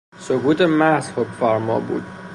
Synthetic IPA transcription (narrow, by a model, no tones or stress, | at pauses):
sokuːt̪ʰemæhz̥hokfæɾmɒ̰ːbṵːd̪̥̚